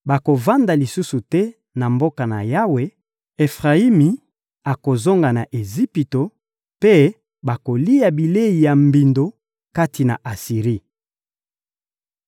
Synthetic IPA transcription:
ba˨ko˨va˦nda˨li˨su˦su˨tɛ˦ | na˨mbo˦ka˨na̰˨ja˦we˦ | e˨fʁa˨i˦mi˨ | a˨ko˨zo˦ŋɡa˨na˨ʔe˨zi˦pi˨to˨ | pe˦ | ba˨ko˨li˦ja˨bi˨le˦i˨ja˨mbi˨ndo˨ | ka˦ti˨na̰˨ʔa˨si˨ʁi˦

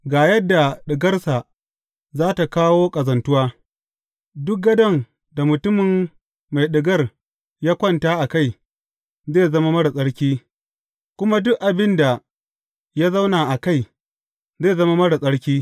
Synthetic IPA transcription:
ɡaː˨jɐ˦dːa˨ɗɪ˨ɡɐ˦rsa˨ | zaː˦ta˨kaː˦woː˦kʼɐ˨zɐ˨ntʊ˦waː˦ | dʊ˦k̚ɡɐ˦dɐ˦˨ŋ | da˨mʊ˨tʊ˦mɪ˨mː | a˨jɗɪ˨ɡɐ˦r | jaː˦kʷɔ˦ntaː˦ʔa˨ka˦˨j | zeː˦˨zɐ˦ma˦mɐ˦ɽa˨sʼɐ˦ɽkʲiː˦ | kʷʊ˦ma˦dʊ˦kʔa˨bɪ˦nda˨ | jaː˦za˦wnaː˨ʔa˨ka˦˨j | zeː˦˨zɐ˦ma˦mɐ˦ɽa˨sʼɐ˦ɽkʲiː˦

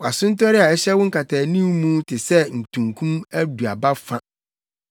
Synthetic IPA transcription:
wa˨sʊ̃˦n˦tʰɔ˦ɾɪ˦a˨ɛ˦ɕɛ˦wʊ̃˦ŋ̩˦kʰa˨tʰaː˨nĩ˦mmũ˦tʰɪ˨sɛ˦n̩˨tʰũ˨ŋkʰũ˦mæ˦du˨a˨ba˦fã˦

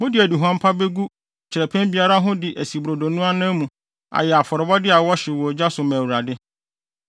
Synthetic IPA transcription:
mʊ̃˦dɪ˨æ˨du˨ɦu˨ã˦m̩˦pʰa˦be˦ɡu˦ | t͡ɕʰɪ˨ɾɛ˨pʰæ̃˦nbi˨a˦ɾa˦ɦʊ̃˦dɪ˨ʔæ˨si˨bɾo˨do˨nũ˦a˦nã˦mũ˨ | a̰˨jɛ˨a˨fɔ˨ɾɔ˨bɔ˦dɪ˦a˨wɔ˦ɕɪ˨wɔ˨d͡ʑa˦sʊ˨mæ̃˨wu˨ɾa˨dɪ˦

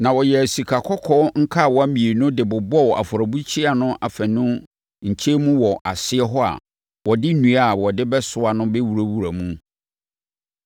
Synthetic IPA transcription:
nã˨wɔ˨jɛ˨æ˨si˨kʰa˨kʰɔ˦kʰɔ˦ŋ̩˦kʰa˦˨wɔ˨æ˦mĩ˨e˨nʊ̃˦dɪ˨bʊ˨bɔ˦˨ʔa̰˨fʊ˨ɾa˨bu˦t͡ɕʰi˦a˨nʊ̃˦ʔa˨fɛ̃˨nʊ̃˦ | ɲ̩˨t͡ɕʰe˦mũ˦wɔ˨ʔa˨sɪ˦ɛ˦ɦɔ˦a̰˨ | wɔ˨dɪ˦nũ˨a˦˨wɔ˨dɪ˦bɛ˦sʊ˦a˨nʊ̃˦bɛ˦wu˨ɾa˦wu˨ɾa˨mũ˦

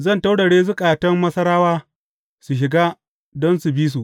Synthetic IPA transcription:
zɐ˦˨nta˦wɽɐ˨ɽeː˦zʊ˦kʼaː˨tɐ˦mːɐ˦sɐ˦ɾaː˦waː˦ | su˨ʃ̬ɪ˨ɡaː˦ | dɔ˦nsu˨bi˦s̬u˨

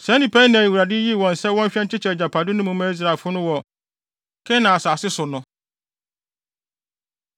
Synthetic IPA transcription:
sɛ̃˨˦nĩ˨pʰæ˦i˦nã˨i˨wu˨ɾa˨dɪ˦ji˦˨wɔ̃˨nsɛ˦wɔ̃˦m˦ɕᶣɛ˦t͡ɕɪ˦t͡ɕʰɛ˨d͡ʑa˨pʰa˨dɪ˦nʊ̃˦mũ˨mã˦i˦s̬ɾa˨fʊ˦nʊ̃˦wɔ˨ | kʰɛ˦nã˨a˨saː˨sɪ˦sʊ˨nʊ̃˦

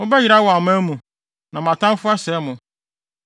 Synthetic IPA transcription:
mʊ̃˦bɛ˦ji˨ɾa˦wɔ˨a˨m˦æ˦mũ˨ | nã˨mã˨tʰã˦m˦fʊ˦a˦sɛ˨˦mʊ̃˨

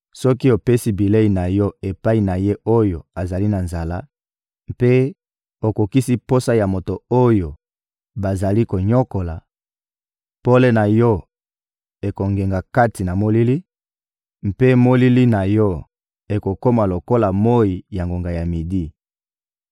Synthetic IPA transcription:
sɔ˦ki˦o˨pe˦si˦bi˨le˦i˨na˨jɔ˦e˨pa˦i˨na˨je˦ʔo˦jo˨a˨za˨li˦na˨nza˨la˦ | mpe˦ | o˨ko˨ki˦si˦po˦sa˦ja˨mo˨to˨o˦jo˨ | ba˨za˨li˦ko˨ɲo˦ko˨la˨ | po˦le˦na˨jɔ˦ | e˨ko˨ŋɡe˨ŋɡa˨ka˦ti˨na˨mo˦li˦li˦ | m̩pe˦mo˦li˦li˦na˨jɔ˦ | e˨ko˨ko˦ma˨lo˨ko˦la˨mo˦i˨ja˨ŋɡo˨ŋɡa˨ja˨mi˨di˦

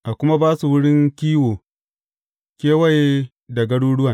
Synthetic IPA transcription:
ʔa˨kʷʊ˦ma˦baː˦su˨wʊ˦ɽɪ˦ŋkʲiː˦woː˨ | kʲeː˦wɐ˦je˦ | dɐ˨ɡɐ˦ɽuː˦ɽʊ˦wa˨

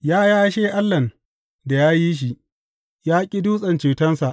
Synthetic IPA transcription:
jaː˦jaː˦ʃeː˦ʔa˦lːɐ˨n | da˨jaː˦ji˦ʃ̬i˨ | jaː˦kʲʼi˦duː˦sʼɐ˨nt͡ʃeː˨tɐ˦nsa˨ʔ

